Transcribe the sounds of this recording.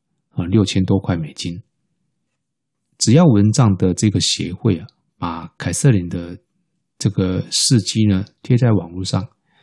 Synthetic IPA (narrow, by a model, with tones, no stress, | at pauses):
ə˨ljo˥˨ʊt͡ɕʰjɛ˥˦nt̪wɔ˥kʰwa˥˩ɪme˨˩ɪt͡ɕi˦˥n | ʈ͡ʂɻ̩˨jɑ˥˨ʊwə˧˦nʈ͡ʂɑ˥˩ŋd̪ə˨ʈ͡ʂɤ˥˧ɡə˩ɕjɛ̰˧˦xwe˥˩˨ɪa˩ | pa˨˩kʰa˨˩ɪsɤ˥˨li˨˩nd̪ə˦ | ʈ͡ʂɤ˥˩ɡə˩ʂɻ̩˥˧t͡ɕi˥nə˨t̪ʰjɛ˥t͡sa˥˩ɪwɑ˨˩ŋlu˥˧ʂɑ˥˨˩ŋ